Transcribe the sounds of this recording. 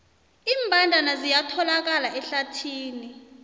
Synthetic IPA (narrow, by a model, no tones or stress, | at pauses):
iːmbʱandʱanazijatʰɔlak̬alaɛɬatʰiːni